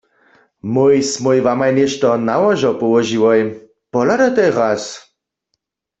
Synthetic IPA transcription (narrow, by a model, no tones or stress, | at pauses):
mojsmojvamajnɛʃt̪ɔnawaʒɔpɔwɔʒiwɔj | pɔlad̪at̪ɛʁas